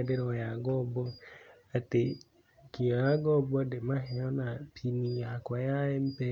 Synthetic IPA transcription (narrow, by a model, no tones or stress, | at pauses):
dɪɾɔjaɡɔbɔ | ate | kʰiaaɡɔbɔdɪmãɦɛɔnãpʰinĩakajaɪm̩pɛ